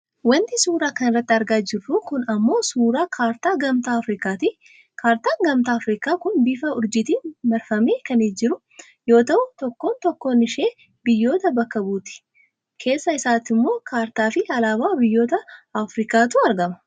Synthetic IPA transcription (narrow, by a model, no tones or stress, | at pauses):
wɐnt̪ɪsuːɾaːkɐnɪrːɐt̪ːɪɐɾɡaːd͡ʒɪrːukʊnɐmːo̞ːsuːɾaːkʰaːɾt̪aːɡɐmt̪aːɐfɾɪkaːt̪ɪ | kʰaːɾt̪aːŋɡɐmt̪aːfɾiːkaːkʊnbɪfɐʊɾd͡ʒɪt̪iːnmɐɾfɐmeːkɐned͡ʒɪɾʊ | jo̞ːt̪ɐʔʊt̪ɔkːo̞ːnt̪ɔkːo̞ːnɪʃeː | bɪjːo̞ːt̪ɐbɐkːɐbuːt̪ɪ̥ | kʰe̞ːsːɐɪsaːt̪ɪmːo̞ːkʰaːɾt̪aːfɪɐlaːbaːbɪjːo̞ːt̪ɐɐfɾɪːkaːt̪uːɐɾɡɐmɐ̥